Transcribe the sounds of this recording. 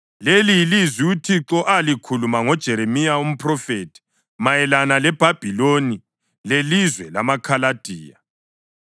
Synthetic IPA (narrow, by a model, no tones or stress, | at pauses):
leliilizwiutʰiǁɔʔalikʰulumaŋɔd̥ʒ̥ʱɛɾemijaum̩pʰrɔfetʰi̥ | majɛlanalɛb̥ʱab̥ʱiloni | lelizwɛla̰makʰalad̥ʱiːja̰